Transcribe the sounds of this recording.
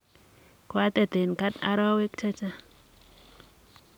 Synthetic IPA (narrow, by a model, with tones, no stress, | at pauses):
kwa˦t̪a˦˨d̪e˨nka˦t̪a̰˦ɾa˦we˦k̚t͡ʃa˦t͡ʃa˦